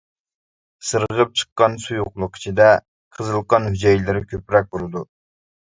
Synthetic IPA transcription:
sɨɾəʁəp̚t͡ʃʰə̥qːɑnsujuqlˠʊq̚kʲʰi̥t͡ʃʰid̪ɛ | qʰəzɨlˠqɑnhyd͡ʒɛjlɪɾɪkʲʰøpɾɛk̚ʲbolˠɨd̪u

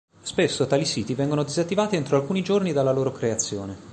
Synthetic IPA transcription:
spesːot̪aːlisiːt̪ivɛŋɡonod̪izat̪ːivaːt̪ient̪ɾoalkuːnid͡ʒornid̪alːaloːɾokɾeat̪sːjoːne

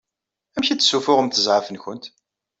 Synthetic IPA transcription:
æmçit͡sːsufʊʁəmθəzʕəfənçʊnt̪

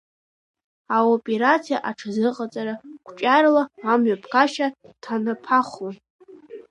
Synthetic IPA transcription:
aopʼeɾat͡sʰija̰ʔaʈ͡ʂʰazɨqʼat͡sʼaɾaɡʷʰt͡ʃʼarlaːmɥapʰkʰaʃatʰanapʰaχʷlan

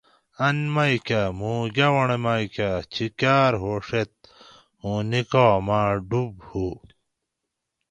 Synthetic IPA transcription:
ɐnmajkamũːɡɐwɐɳemajkat͡ɕʰikaːɾɦoːʂet̪̚ | ũːnikoːmaːɖubhu

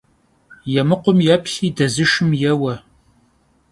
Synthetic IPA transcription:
jɛmɨqʷʊmjɛpʰɬiːdɐzɨʃɨmjɛwɐ

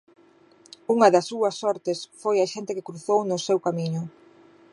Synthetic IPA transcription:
uŋɐðɐsuɐsːɔɾt̪ɪsfojɐʃent̪ɪkɪkɾuθownʊsewkamiɲʊ

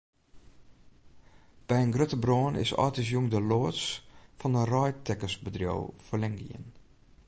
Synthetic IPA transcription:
b̥ɛjənɡrøtəbroːnɪ̰sɔ̰ːtis̬juŋdəloːəsfɔndərɔjtɛkəsbədrjo̰wfəlɛŋɡḭə̰n

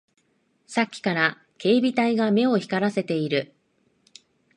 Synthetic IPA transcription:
sakʲːi̥kaɾa | ke̞ːbʲit̪aiɡame̞o̞çi̥kaɾase̞t̪e̞iɾɯ̟

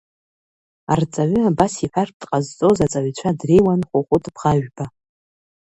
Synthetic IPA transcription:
art͡sʼaɥʏabasiħʷᶣarp̚ʰdʼqʼazt͡sʼozat͡sʼaʕt͡ɕʷʰadrejwanχʷʊχʷʊtʼbʁaʒᶣba

